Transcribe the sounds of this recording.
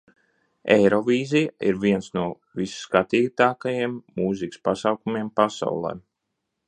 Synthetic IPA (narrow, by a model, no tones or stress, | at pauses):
ejɾɔvʲiːzijaḭɾvʲiɛnsnuɔ | visːkat̪iːt̪aːkajiɛmːuzikspasawkumiɛmpasa̰wlˠɛ̰ːm